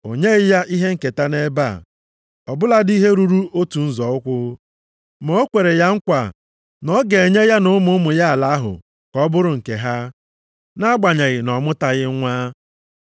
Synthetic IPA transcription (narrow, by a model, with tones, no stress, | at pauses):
o˨ɲe˦ɣɪ˦ja˦ʔi˦ɦe˦ŋ̩˨ke˨ta˦ne˦ba̰˦˨ | ɔ˨bʊ˦la˦di˦ɦe˦ɾu˦ɾu˦o˦tu˨n̩˦zɔ˨ʊ˦kʷʊ˦ | mo˦o˦kʷe˨ɾe˨ja˦ŋ̩˦kʷa˨ | nɔ˦ɡe˨ɲe˦ja˦nʊ˦mʊ˦mʊ˨ja˦a˨la˦ɦʊ̰˨ | kɔ˦bʊ˦ɾʊ˨ŋ̩˨ke˨ɦa˦ | na˦ɡ͡ba˨ɲe˨ɣɪ˨nɔ˨mʊ˦ta˨ɣɪ˦ŋʷaː˦